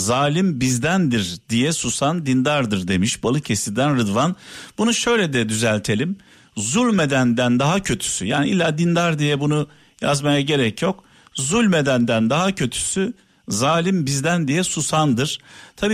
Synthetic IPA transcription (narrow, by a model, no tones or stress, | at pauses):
zaːlʲimbizd̪ænd̪iɾd̪̥ijɛsusand̪ind̪aɾd̪ɯɾd̪e̞miʃbalˠɯcʰe̞sid̪ænɾɯd̪vanbunuʃø̞jlʲɛd̪ɛd̪yzælʲt̪ʰe̞lʲim | zulʲmed̪ænd̪ænd̪aɦacʰø̞t̪ʰy̥syjaːniilʲːaːd̪ind̪aɾd̪ijɛbunu | jazmajaɟe̞ɾɛcʰjo̞k | zulʲmed̪ænd̪ænd̪aɦacʰø̞t̪ʰy̥sy | zaːlʲimbizd̪ænd̪ijɛsusand̪ɯɾ̥t̪ʰabiː